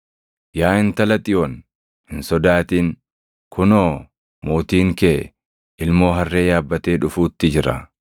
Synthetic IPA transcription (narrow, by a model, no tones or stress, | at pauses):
jaːɪnt̪ɐlɐt̪ʼɪjon | hɪnsɔd̪aːt̪iːn | kʰʊnoː | mo̞ːt̪iːŋkeː | ʔɪlmo̞ːɦɐrːe̞ːjaːbːɐt̪eːᶑʊfuːt̪ːɪd͡ʒɪɾɐ̰